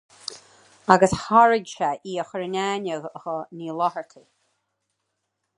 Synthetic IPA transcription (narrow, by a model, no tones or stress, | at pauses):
aɡəshaɹɪɡʲʃaʔiːəxəɹənʲaːnəɣəhəniːlɔhəɹt̪ʰə